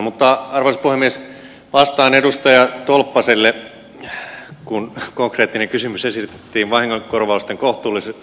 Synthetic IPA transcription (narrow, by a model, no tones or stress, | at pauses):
mut̪ːɑɑrʋɑispuhemːies | ʋɑst̪ɑːnedust̪ɑjɑt̪olpːɑselːe | kunkoŋkreːt̪ːineŋkysymysesirt̪e̥t̪ːiːʋʋɑhiŋːoŋkorʋɑust̪eŋkoht̪uːlːise